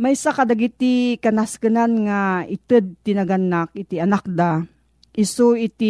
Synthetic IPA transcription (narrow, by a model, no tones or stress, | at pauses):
majsakad̪aɡit̪ikanaskɨnanŋaʔɪt̪ɨd̪̚t̪inaɡanak̚ʔɪt̪iɐnak̚d̪a | ʔɪsoit̪i